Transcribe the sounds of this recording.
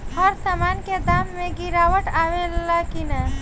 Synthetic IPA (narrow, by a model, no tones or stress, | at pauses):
həɾsamanked̪amːẽɡiɾawəʈaʋẽlakinə